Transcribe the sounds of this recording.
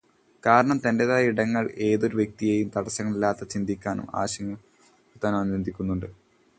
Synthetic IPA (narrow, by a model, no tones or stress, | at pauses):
kaːɾɐɳɐmt̪ɐndeðaːjɐiɽɐŋːɐɭe̞ːðo̞ɾuʋjek̚t̪ijeːjumt̪ɐɽɐsɐŋːɐɭilːaːt̪ːɐt͡ɕind̪ʱikʲːaːnṵma̰ːɕɐŋːɐ | ut̪anɐmɐnɾend̪ʱikʲːunːuɳɖɨ